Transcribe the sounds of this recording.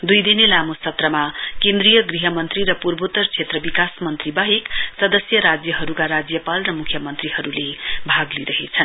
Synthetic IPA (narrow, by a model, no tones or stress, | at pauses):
d̪ujd̪inelamosʌt̪rʌmakend̪rijʌɡriɦʌmʌnt̪riɾʌpurbot̪ʌrt͡sʰet̪rʌbikasmʌnt̪ribʌɦeksʌd̪ʌsjʌɾad͡zjʌɦʌɾukaɾad͡zjʌpalrʌmukʰjʌmʌnt̪riɦʌɾulebʱaɡliɾʌɦet͡sʰʌn